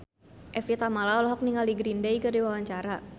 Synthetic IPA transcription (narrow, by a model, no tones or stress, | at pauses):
ʔɛfit̪amalaɔlɔɦɔk̚niŋaldiɡɾindejkɨrdiwawaɲt͡ʃaɾa